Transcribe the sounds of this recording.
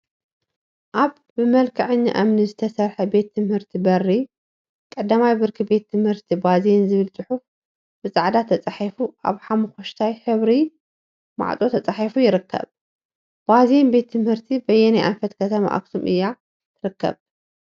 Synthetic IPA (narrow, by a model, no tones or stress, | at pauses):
ʔaβ | ɨmɐlkʰɐʕɨɲːa̰ʔamnizɨt̪ʰɐsɐɾħɐbe̞t̪ʰːɨmhɨɾt̪ʰibɐrːi | kʼɐd̪ːamajbɨɾkʰibe̞t̪ʰːɨmhɨɾt̪ʰibaze̞nzɨβɨlt͡sʼɨħuf | bɨt͡sʼaʕd̪at̪ʰːɐt͡sʼaħifuʔa̰βħamɨxoʃt̪ʰajħɨβɾi | ma̰ʕt͡sʼo̞t̪ʰɐt͡sʼaħifujɪɾɨkʰːɐ̰β | b̥aze̞nbe̞t̪ʰːɨmhɨɾt̪ʰibɐjːɛnajʔanfɐt̪kʰɐt̪ʰɐma̰ʔa̰ksumʔɨ̰jːa | t̪ʰɨɾɨkːɐ̰β